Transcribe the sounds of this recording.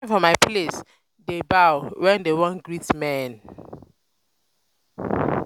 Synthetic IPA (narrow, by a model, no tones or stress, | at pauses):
fɔmajpʰles | debawwɛ̃ndewɔ̃nɡɹitmɛ̃n